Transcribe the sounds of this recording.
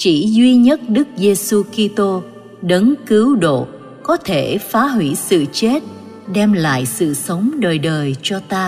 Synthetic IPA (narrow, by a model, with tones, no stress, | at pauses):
t͡ɕḭ˧˩zwi˧ɲə˦˥t̚ɗɨ˦˥k̚ze˧su˧ki˧t̪o˧ | ɗə˨˦nkɨ˨˦wɗo̰˧˨ | kɔ˨˦t̪ʰe˧˩faː˨˦ɦwi˧˩sɨ̰˧˨t͡ɕe˦˥t̚ | ɗɛ˧mla̰ː˧˨jsɨ̰˧˨sə˨˦wŋ͡mɗəː˨˩jɗəː˨˩jt͡ɕɔ˧t̪aː˧